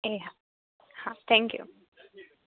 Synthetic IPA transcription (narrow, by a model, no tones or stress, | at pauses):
a | hat̪ʰɛ̃ŋkjṵ